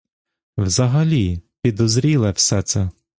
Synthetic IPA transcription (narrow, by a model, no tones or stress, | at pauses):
wzɐɦɐlʲipʲid̪ɔzɾʲilˠɛwsɛt̪sɛ